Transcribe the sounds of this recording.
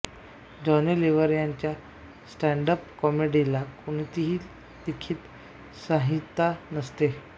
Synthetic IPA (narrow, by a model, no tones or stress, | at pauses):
d͡ʑɔneleʋəɾjaɲt͡ɕja | sʈɛɳɖəpkɔmeɖilakuñit̪iɦiː | d̪ekʰiːt̪ | sãɦit̪ːanəst̪e